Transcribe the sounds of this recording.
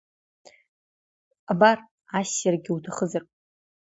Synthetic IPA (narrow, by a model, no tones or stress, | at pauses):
abar | aɕːarɡʲɪutʰaχəzar